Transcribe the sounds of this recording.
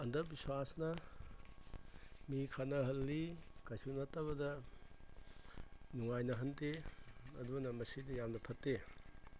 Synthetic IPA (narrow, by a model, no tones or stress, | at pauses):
ɐndɐɾbiswasnɐ | mikʰanɐɦɐlːikajsunɐtabɐdɐ | nuŋajnɐɦɐnteɐdunɐmɐsidijamnɐpʰɐtːe